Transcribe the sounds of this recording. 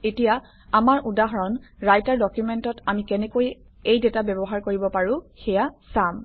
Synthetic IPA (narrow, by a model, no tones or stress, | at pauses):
etija | amaɹʔudaɦɔɹɔnɹajtaɹdɔkjumɛntɔtamikɛnɛkoj | ejdɛtabɛbɔɦaɹkoɹibɔpaɹʊ̃xɛjasam